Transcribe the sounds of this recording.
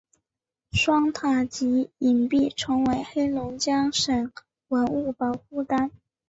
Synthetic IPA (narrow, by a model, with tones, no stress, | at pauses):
ʂwɑ˥ŋt̪ʰa˨˩t͡ɕi˧˥i˨˩npi˥˩ʈ͡ʂʰɤ˧˥ŋwe˧˥ɪxe˥ɪlʊ˧˥ŋt͡ɕjɑ˥ŋʂə˨˩ŋ | wə˧˥nu˥˩pɑ˧˥ʊxu˥˩t̪a˥n